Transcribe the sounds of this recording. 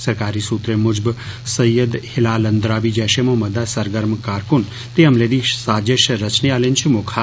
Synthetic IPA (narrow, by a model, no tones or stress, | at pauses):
səɾkaːɾisuːt̪ɾemʊd͡ʒbsəjəd̪hɪlaːlənd̪ɾaːʋid͡ʒaːʃemõmɐd̪asəɾɡəɾmkaːɾkun | t̪eɐmled̪iʃsaːd͡ʒeʃɾət͡ʃniaːlent͡ʃʰimokʰa